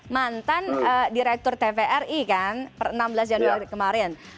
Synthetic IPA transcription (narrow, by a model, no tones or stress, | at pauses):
mant̪anədiɾɛk̚t̪ʊrt̪efeʔɛrikanpərənambəlas̬d͡ʒanuaɾikəmaɾɛn